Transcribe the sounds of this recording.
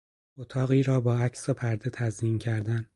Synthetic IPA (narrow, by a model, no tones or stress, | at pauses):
ot̪ʰɒːɣiːɾɒːbɒːæcʰsopʰæɾd̪e̞t̪ʰæziːmcʰæɾd̪æn